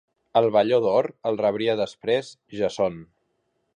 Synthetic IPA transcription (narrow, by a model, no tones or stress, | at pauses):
əlˠβəʎoðɔɾəlˠrəβɾiəðəspɾez | ʒəson